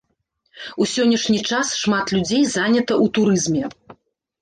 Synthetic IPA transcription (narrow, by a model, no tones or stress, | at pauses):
usʲɔnʲːɐʂnʲit͡ʂasʂmat̪lʲud͡zʲejzanʲɐt̪ɐʔut̪uɾɨzmʲɛ